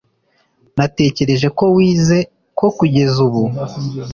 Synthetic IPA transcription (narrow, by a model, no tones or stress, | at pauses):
nate̞ːce̞ɾe̞ʒe̞ko̞wiːze̞ | ko̞kuɟe̞zuβu